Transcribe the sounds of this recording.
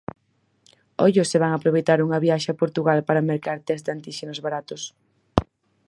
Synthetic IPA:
oʎʊsɪβaŋapɾoβejt̪aɾuŋɐβjaʃapoɾt̪uɣalpaɾameɾkaɾt̪ɛzd̪ant̪iʃenozβaɾat̪ʊs

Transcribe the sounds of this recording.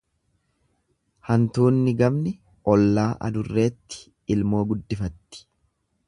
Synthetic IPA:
hɐnt̪uːnːɪɡɐmnɪ | ɔlːaːʔɐ̰d̪ʊrːe̞ːt̪ːɪ̥ː | lmo̞ːɡʊd̪ːɪfɐt̪ːɪ̥

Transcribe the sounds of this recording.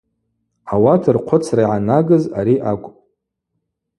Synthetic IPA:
awatʰɨrqʷʰʊt͡sʰraiʕanaɡɨzaɾiʔakʷʼpʼ

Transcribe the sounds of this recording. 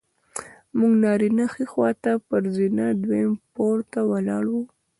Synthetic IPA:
muɡnɑɾinaxixwɑt̪apəɾzinad̪wempoɾt̪awalɑɽwu

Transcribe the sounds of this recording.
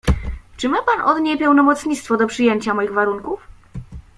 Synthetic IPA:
t͡ʂɘmɘpanʔɔd̪ɲepɛwnɔmɔt̪sɲit̪st̪fɔd̪ɔpʂɘjeɲt͡ɕamɔjiɣvaɾuŋkuf

